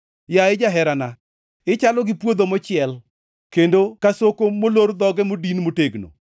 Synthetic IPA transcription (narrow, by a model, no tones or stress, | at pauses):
jaɪd͡ʒaɦɛɾana | ɪt͡ʃalɔɡɪpwod̪omɔt͡ʃɪɛl | kendokasokomoloɾd̪ɔɡɛmodinmoteɡno̰